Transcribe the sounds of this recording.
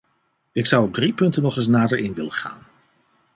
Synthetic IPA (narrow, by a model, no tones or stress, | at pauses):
ɪksɑwɔb̚dripɵntənɔχɪs̬naːdəɹɪnʋɪləχa̰ːn